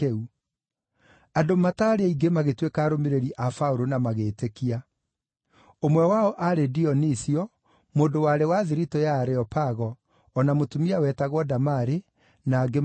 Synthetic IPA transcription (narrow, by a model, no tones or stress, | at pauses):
u | adomataɾeaiɡemaɣetwekaːɾomeɾeɾiʔafauɾonamaɣeːtekia | omwɛwaɔʔaɾediɔnisiɔ | moːndowaɾewaðiɾitɔjaːɾeɔpaɣɔː | namotumiawɛtaɣwɔdamaɾe | naːɡe